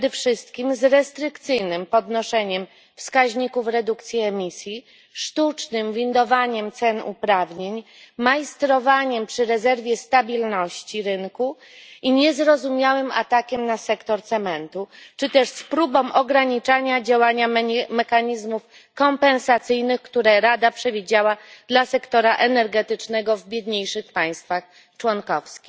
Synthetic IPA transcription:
d̪ɛfʂɘst̪̚kʲimzɾɛst̪ɾɘkt̪sɘjnɘmpɔd̪nɔʂɛɲɛm | fskaʑɲikufɾɛd̪ukt̪sʲjiɛmʲisʲji | ʂt̪ut͡ʂnɘmvʲind̪ɔvaɲɛmt̪sɛnṵpɾavɲeɲ | majist̪ɾɔvaɲɛmpʂɘɾɛzɛɾvʲjɛst̪abʲilnɔɕt͡ɕiɾɘŋku | iɲɛzɾɔzumʲjawɘma̰t̪akʲɛmnasɛkt̪ɔɾt̪sɛmɛnt̪ut͡ʂɘt̪ɛʂspɾubɔ̃wʔɔɡɾaɲit͡ʂaɲad͡ʑawaɲamɛxaɲizmuf | kɔmpɛnsat̪sɘjnɘxkt̪uɾɛɾad̪apʂɛvʲid͡ʑawad̪lasɛkt̪ɔɾaʔɛnɛɾɡɛt̪ɘt͡ʂnɛɡɔvbʲjed̪ɲejʂɘxpaj̃st̪fax | t͡ʂwɔnkɔfskʲi̥x

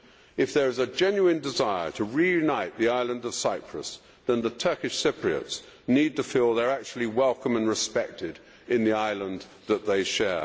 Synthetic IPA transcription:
ɨfðə˞ɨzɨd͡ʒɛ̃njʉɨ̃ndɨzaɪə˞ɾʰəɹijʉnaɪt̪̚ðiaɪlˠə̃ndʌv̥saɪpʰɹ̥ə̰s | ðɨ̃nðətʰɜ˞kɨʃsɪpʰɹiɨ̰ts | nid̚tɨfilˠðə˞æk̚t͡ʃʉl̩ˠiwɛlˠkə̃mə̃nɹɨspɛk̚tʰɪɾ | ɨ̃nðiaɪlˠə̃n | ðət̪̚ðeɪʃɛɹ

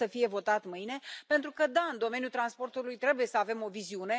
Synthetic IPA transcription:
əfije̞vo̞t̪at̪mɨjne̞pe̞nt̪ɾukəd̪aɨnd̪o̞me̞njut̪ɾanspo̞rt̪ulujt̪ɾe̞buje̞səave̞mo̞viziune̞

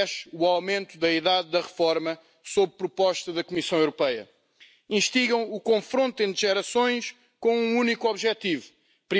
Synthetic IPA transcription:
ʃuawmẽnt̪uðɐiðaðːɐʁɨfɔɾmɐ | soβpɾupɔʃt̪ɐðɐkumisɐ̃w̃ewɾupɐjɐ̰ | ĩʃt̪iɣɐ̃w̃ukõfɾõnt̪ẽd̪ʒɛɾɐsõj̃ʃ | kõũunikɔβʒɛt̪ivu | pɾi

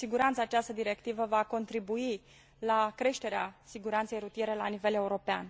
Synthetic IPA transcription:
siɡuɾant̪saːt͡ʃast̪əd̪iɾe̞kt̪ivəvako̞nt̪ɾibui | lakɾe̞ʃt̪e̞ɾeasiɡuɾant̪se̞jɾut̪je̞ɾe̞lanive̞le̞uɾo̞pea̰n

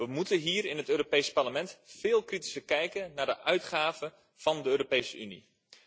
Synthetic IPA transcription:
ʋəmutənɦiːɾɪnɦətøːropejspɑɹləmɛntfɪːlˠkriti̥səkɛjkənnaːɹdəʔœɥtχaːvə | v̥ɑndəøːropejsəynḭ

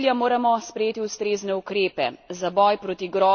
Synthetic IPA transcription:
ljamoːɾamɔspɾɛjeːt̪iust̪ɾeːznɛukɾeːpɛ̰zabɔjpɾoːt̪iɡɾɔː

